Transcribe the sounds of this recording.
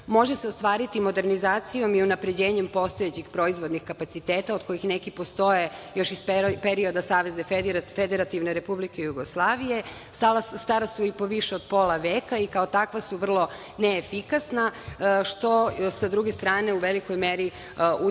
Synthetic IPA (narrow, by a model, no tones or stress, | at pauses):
mo̞ʒeseost̪ʋaːɾit̪imo̞d̪e̞ɾnizaːt̪sijo̞miunapɾe̞d͡ʑeːɲempo̞st̪o̞jet͡ɕixpɾo̞izʋo̞d̪nixkapat̪sit̪eːt̪aod̪̥ko̞jixnekipo̞st̪o̞jejo̞ʃisppeɾio̞d̪asaːʋe̞znefed̪eɾat̪iʋneɾe̞publikejuɡo̞slˠaːʋije̞ | st̪alasust̪aɾasuipo̞ʋiʃeod̪̚po̞lˠaʋeːkaikao̞t̪akʋasuʋr̩lˠo̞ | neːfikasnaʃt̪o̞sad̪ɾuɡest̪ɾaːne̞uʋeliko̞jmeɾi | u